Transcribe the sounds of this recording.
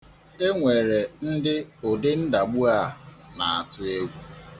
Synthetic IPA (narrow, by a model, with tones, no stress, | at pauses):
e˦ŋʷe˨ɾe˨n̩˦dɪ˦o˨dɪ˦n̩˦da˨ɡ͡bʊ˦a˦˨na˨a˨tʊ˦e˦wu˦